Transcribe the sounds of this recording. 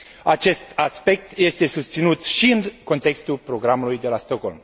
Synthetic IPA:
at͡ʃe̞st̪aspe̞k̚t̪je̞st̪e̞sust̪sinut̪ʃiɨŋko̞nt̪e̞kst̪ulpɾo̞ɡɾamulujd̪e̞last̪o̞kho̞̰lm

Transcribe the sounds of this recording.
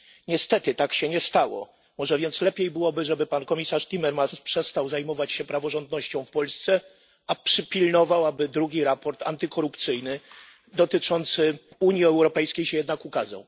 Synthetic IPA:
ɲɛst̪ɛt̪ɘt̪akɕɛɲɛst̪awɔ̰ | mɔʐɛvʲjɛnt̪slɛpʲjejbɘwɔbɘʐɛbɘpankɔmʲisaʂt̪ʲimɛɾmaspʂɛst̪awzajmɔvat͡ɕɕɛpɾavɔʐɔnd̪nɔɕt͡ɕɔ̃w̃fpɔlst̪sɛ | apʂɘpʲilnɔvawabɘd̪ɾuɡʲiɾapɔɾt̪a̰nt̪ɘkʰɔɾupt̪sɘjnɘ | d̪ɔt̪ɘt͡ʂɔnt̪sɘuɲjiɛwɾɔpɛjskʲejɕɛjɛd̪nakukaza̰w

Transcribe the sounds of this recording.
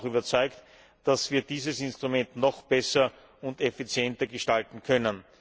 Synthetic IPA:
xyːbɐt͡sɔʏkt | d̥asv̥iːɐdiːzəsɪnstʁ̥ʊmɛntnɔχb̥ɛsɐ | ʊntefit͡sjɛntɐɡəʃtaltn̩kʰœnən

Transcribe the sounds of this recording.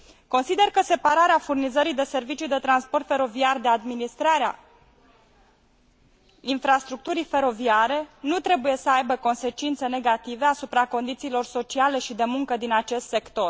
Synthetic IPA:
ko̞nsid̪e̞rkəse̞paɾaɾeafurnizəɾid̪e̞se̞rvit͡ʃijd̪e̞t̪ɾanspo̞rt̪fe̞ɾo̞viard̪ead̪minist̪ɾaɾea̰ | infɾast̪ɾuk̚t̪uɾijfe̞ɾo̞viaɾe̞nut̪ɾe̞buje̞səajbəko̞nse̞t͡ʃint̪sene̞ɡat̪ive̞asupɾako̞nd̪it̪siːlo̞rso̞t͡ʃiale̞ʃid̪e̞muŋkəd̪inat͡ʃe̞st̪se̞kt̪o̞r

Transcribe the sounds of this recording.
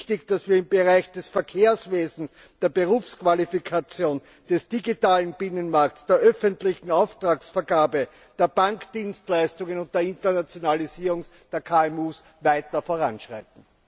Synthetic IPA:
tɪçd̥asviːɐɪmbəʁaɪçd̥ɛsfɛɐkʰeːɐsveːzn̩s | d̥eːɐbeʁuːfskv̥alifikʰat͡sjoːn | d̥ɛsd̥iɡitaːlənb̥ɪnənmaɐktsd̥eːɐʔœfəntlɪçŋ̩aʊftʁ̥aːksfɛɐɡaːbə | d̥eːɐb̥aŋkd̥iːnstlæɪstʊŋənʊnt̚d̥eːɐɪntɐnat͡sjonaliziːʁʊŋsd̥eːɐkʰaːɛmuːs | væɪtɐfoːɐʁa̰nʃʁ̥a̰ɪtn̩

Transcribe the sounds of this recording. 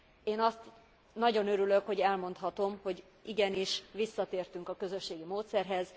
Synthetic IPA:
eːnɒst̪ | nɒɟo̞nøɾylø̞kho̞ɟɛlmo̞nt̪ɦɒt̪o̞mho̞ɟ | iɡɛniʃʋisːɒt̪eːrt̪yŋkɒkø̞zø̞ʃːeːɡimoːt̪sɛrɦɛz

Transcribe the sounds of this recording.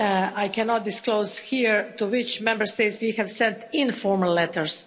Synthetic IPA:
ajkʰɛnɔt̪̚d̪ɪskloʊzhiɹt̪uwɪt͡ʃmɛ̃mbəɾst̪eɪt̪swihɛʋsɛ̃nt̪ɪ̃nfɔɹməllɛt̪əɹs

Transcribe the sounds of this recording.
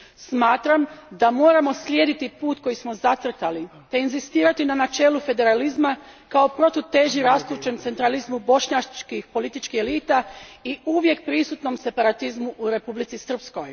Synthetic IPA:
smaːt̪ɾamd̪amo̞ːɾamo̞slʲjed̪it̪ipuːt̪ko̞jismo̞zat̪r̩t̪ali | t̪e̞inzist̪iːɾat̪inanat͡ʃe̞ːlufe̞d̪e̞ɾalizmakaopɾo̞t̪ot̪e̞ːʒiɾast̪ɾut͡ʃe̞mt̪se̞nt̪ɾalizmubo̞ʃɲat͡ʃkixpo̞lit̪it͡ʃkixeliːt̪aiuʋje̞k̚pɾisut̪no̞mse̞paɾat̪izmuʔːɾe̞publit̪sisr̩psko̞j

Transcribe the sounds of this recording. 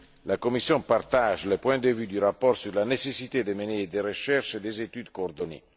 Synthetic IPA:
lakomisːjɔ̃part̪aʒləpwɛ̃d̪əvyd̪yɾapɔrsyrlanesesit̪ed̪əmened̪eɾəʃɛrʃed̪ezet̪yd̪koːrd̪onḛ

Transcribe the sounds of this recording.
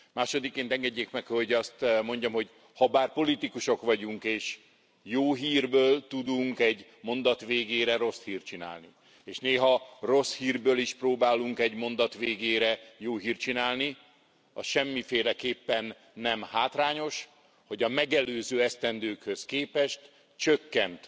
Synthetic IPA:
maːʃo̞d̪ikːeːnt̪ɛŋɡɛɟːeːkmɛkhoɟɒst̪mo̞ɲɟɒmɦo̞ɟ | hɒbaːrpo̞lit̪ikuʃo̞kʋɒɟuŋkeːʃ | joːɦiːrbøːlt̪ud̪uŋkɛɟ | mo̞nd̪ɒt̪ʋeːɡeːɾɛɾo̞shiːrt͡ʃina̰ːlni | eːʃneːɦɒro̞shiːrbøːliʃproːbaːluŋkɛɟmo̞nd̪ɒt̪ʋeːɡeːɾɛjoːɦiːrt͡ʃinaːlni | ɒ̰ʃɛmːifeːlɛkeːpːɛnː | ɛmhaːt̪raːɲo̞ʃ | ho̞ɟɒmɛɡɛløːzøːɛst̪ɛnd̪øːkhø̞skeːpɛʃt̪ | t͡ʃøkːɛnt̪

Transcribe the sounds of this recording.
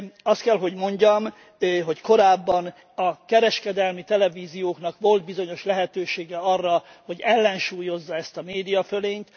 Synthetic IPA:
ɒst̪kɛlɦo̞ɟmo̞ɲɟɒm | ɦo̞cko̞ɾaːbːɒn | ɒkɛɾɛʃkɛd̪ɛlmit̪ɛlɛviːzijoːkn̪ɒkʋo̞ld̪̚bizo̞ɲo̞ʃlɛɦɛt̪øːʃeːɡɛɒrːɒ | ho̞ɟɛlːɛnʃuːjo̞zːɒɛst̪ɒmeːd̪ijɒføleːɲt̪

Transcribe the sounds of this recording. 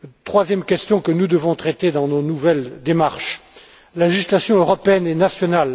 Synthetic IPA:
t̪χwazjɛmkʲɛst̪jɔ̃kənud̪əvɔ̃t̪χɛt̪ed̪ɑ̃nonuvɛld̪emaʁʃ | laleʒislasjɔ̃øʁɔpeɛnɛnasjɔnal

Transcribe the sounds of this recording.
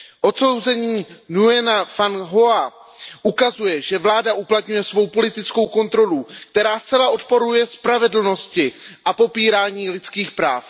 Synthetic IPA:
ʔo̞t̪so̞wzɛɲiːnuɛnafanɦoa | ʔukazujɛʒɛvlaːdaʔuplat̪ɲujɛsvo̞wpo̞lɪt̪ɪt͡sko̞wko̞nt̪ɾo̞lukt̪ɛɾaːst͡sɛlaʔo̞t̪̚po̞ɾujɛspɾavɛdl̩no̞scɪʔapo̞piːɾaːɲiːlɪt͡skiːxpɾa̰ːf

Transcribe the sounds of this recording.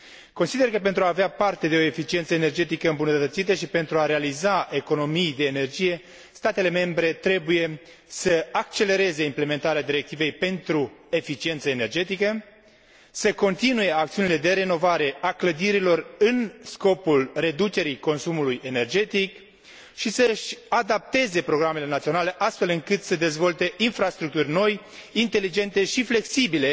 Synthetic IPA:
ko̞nsid̪erkəp̬e̞nt̪ɾuaːveapart̪e̞d̪e̞o̞efit͡ʃie̞nt̪səene̞rd͡ʒe̞t̪ikəɨmbunətt̪ət̪sit̪əʃipe̞nt̪ɾuaɾealizae̞ko̞no̞mijd̪e̞ːne̞rd͡ʒije̞ | st̪at̪e̞le̞me̞mbɾe̞t̪ɾe̞buje̞ | səak̚t͡ʃe̞le̞ɾe̞ze̞imple̞me̞nt̪aɾead̪iɾe̞k̚t̪ive̞jpe̞nt̪ɾue̞fit͡ʃie̞nt̪səene̞rd͡ʒe̞t̪ikə | səko̞nt̪inuje̞akt̪siuniled̪e̞ɾe̞no̞vaɾe̞akləd̪iɾilo̞rɨnsko̞pulre̞d̪ut͡ʃe̞ɾiko̞nsumuluje̞ne̞rd͡ʒe̞t̪ik | ʃisəʃad̪ap̚t̪e̞ze̞pɾo̞ɡɾame̞le̞nat̪sio̞nale̞ʔast̪fe̞lɨŋkɨt̪səd̪e̞zvo̞lt̪e̞ʔinfɾast̪ɾuk̚t̪urʲno̞j | int̪e̞lid͡ʒe̞nt̪e̞ʃifle̞ksibile̞

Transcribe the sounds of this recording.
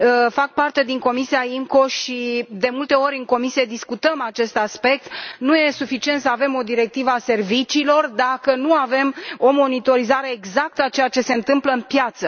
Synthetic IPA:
fak̚part̪e̞d̪iŋko̞misiaiŋko̞ʃid̪e̞mult̪e̞o̞ɾʲɨŋko̞misije̞d̪iskut̪əmat͡ʃe̞st̪aspe̞k̚t̪nuje̞sufit͡ʃie̞nt̪səave̞mo̞d̪iɾe̞k̚t̪ivəase̞rvit͡ʃiːlo̞rd̪akənuave̞mo̞mo̞nit̪o̞ɾizaɾe̞ːɡzak̚t̪əat͡ʃe̞jat͡ʃe̞se̞ɨnt̪ɨmpləɨnpjat̪sə

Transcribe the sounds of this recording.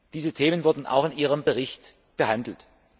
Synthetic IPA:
d̥iːzətʰeːmənvʊɐdn̩ʔa̰ʊxɪnʔiːʁ̞əmbəʁ̞ɪçt | b̥əhandl̩t

